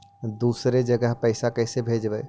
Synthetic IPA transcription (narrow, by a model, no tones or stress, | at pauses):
d̪uːsɾed͡ʒəɡəɦpəɪsakəɦsebʱed͡ʒbɛ